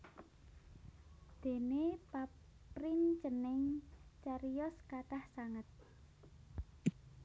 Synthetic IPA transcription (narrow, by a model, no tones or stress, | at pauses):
d̪̥e̤nepap | ɾint͡ʃənɪŋt͡ʃaɾijɔskat̪ahsaŋət̪̚